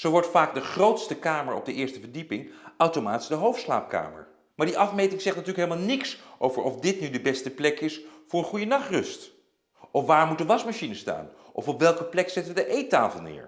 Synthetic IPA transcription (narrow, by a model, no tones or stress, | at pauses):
z̥owʋɔɹtfaːɡ̚dəχrowtstəkaːməɹɔ̰b̚dəʔɪːɹstəvəɹdipɪŋʔawtomaːti̥zdəɦowftsla̰ːp̚ka̰ːmə̰ɹ | maːɹdiʔɑfmejtɪŋz̥ɛχtnatyːləkɦeləmalˠnɪksʔowvəɹɔfdɪtnydəbɛstəplɛkɪsfʊːɹənχujənɑχtrɵst | ʔɔfʋaːɹmutənʋɑsmaʃinəsta̰ːn | ʔɔfɔpʋɛlˠkəplɛksɛtəʋədəʔejta̰ːfəlˠnɪ̰ːɹ